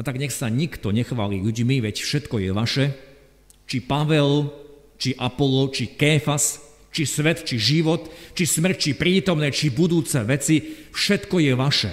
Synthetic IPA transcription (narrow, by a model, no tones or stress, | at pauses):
at̪aɡɲɛxsaɲikt̪ɔɲɛxʋaːlḭʎuɟmiʋɛcfʃɛt̪kɔjɛʋaʃɛ | t͡ʃipaʋɛl | t͡ʃiʔapɔlɔt͡ʃikɛːfas | t͡ʃisʋɛt̪t͡ʃiʒiʋɔt̪t͡ʃismr̩ct͡ʃipɾiːt̪ɔmnɛt͡ʃibud̪uːt͡sɛʋɛt͡sifʃɛt̪kɔjɛʋaʃɛ